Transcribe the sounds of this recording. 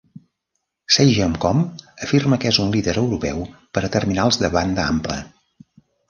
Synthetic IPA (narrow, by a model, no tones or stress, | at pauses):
sejʒəmkɔməfirməkezunliðəɾəwɾupɛwpəɾət̪ərminalˠzðəβand̪əa̰mplə̰